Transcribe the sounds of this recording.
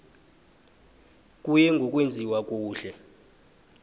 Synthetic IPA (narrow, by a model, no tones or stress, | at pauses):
kʼujɛŋɡʱɔkʼwend͡zʱiwak̬ʼuːɬɛ